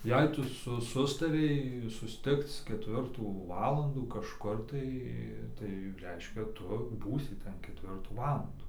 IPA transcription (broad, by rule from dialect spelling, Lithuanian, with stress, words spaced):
ˈjɛɪ ˈtʊ ˈsʊ ˈsʊstɐrʲɛɪ sʊsʲˈtʲɪkt͡s kʲɛˈtʲʋʲɪrtuː ˈʋɑːlˠɐnduː kɐʃˈkʊr tɐɪ tɐɪ ˈrʲɛɪʃʲkʲɛ ˈtʊ ˈbuːsʲɪ ˈtʲɛn kʲɛˈtʲʋʲɪrtuː ˈʋɑːlˠɐnduː